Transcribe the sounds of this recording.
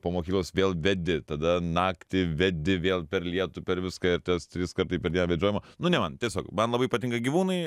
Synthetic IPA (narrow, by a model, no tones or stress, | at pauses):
pomoːkʲiːklˠoːsʋʲeːlˠʋʲɛd̪ʲɪt̪ɐd̪ɐnɑːkt̪ʲɪʋʲɛd̪ʲɪʋʲeːlˠpʲɛɾlʲiɛt̪ʊpʲɛɾʋʲɪskɐɪɾt̪ʲɛst̪ʲɾʲɪskɐɾt̪ɐɪpʲɛɾʲdʲiɛnːʋʲɛd͡ʒʲoɔjɪmɐnʊnʲɛmɐnt̪ʲiɛsʲoːkmɐnlˠɐbɐɪpɐt̪ʲɪŋkɐɡʲiːʋuːnɐɪ